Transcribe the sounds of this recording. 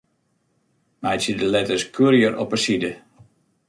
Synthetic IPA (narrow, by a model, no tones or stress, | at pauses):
mɛjsədəlɛtəskʰyɾjəɾɔ̰pəsidə